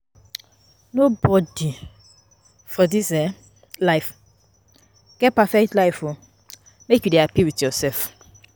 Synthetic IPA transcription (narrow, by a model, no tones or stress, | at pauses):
nobɔdi | fɔdisɛ | laɪf | ɡ̥ɛt̚pafɛk̚tlaɪfo | mekjudeapiwitjɔsɛlf